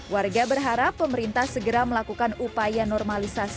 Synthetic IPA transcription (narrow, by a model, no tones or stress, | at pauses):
warɡabərɦaɾapːəməɾint̪ahsəɡəɾaməlakukanupajanɔrmalisasi